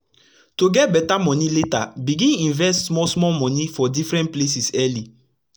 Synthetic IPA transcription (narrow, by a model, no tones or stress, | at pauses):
toɡɛt̚bɛtamɔ̃niletabiɡĩnĩnvɛstsmɔsmɔmɔ̃nifɔdifɾɛ̃ntplesisɛli